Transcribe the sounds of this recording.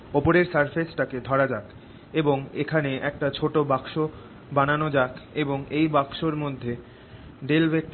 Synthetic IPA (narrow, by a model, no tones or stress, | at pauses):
opoɾeɾsaɾfesʈaked̪ʱɔɾad͡ʑak | eboŋḛkʰaneʔɛk̚ʈat͡ɕʰoʈobakʃo | bananod͡ʑakeboŋejbakʃoɾmod̪ʱːe | ɖelbek̚